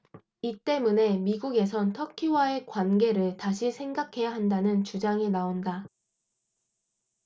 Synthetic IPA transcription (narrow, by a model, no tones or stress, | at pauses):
it͈e̞mune̞miɡuɡe̞s̬ʰʌntʰʌkʰiwae̞kwanɡe̞ɾɯɭtaɕʰisʰe̞ŋɡakʰe̞jaɦandanɯnt͡ɕud͡ʑaŋinaonda